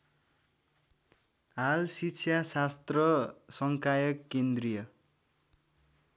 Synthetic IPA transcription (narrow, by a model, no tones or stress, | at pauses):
ɦalsit͡sʰjasast̪rʌsʌŋkajʌkːend̪rijʌ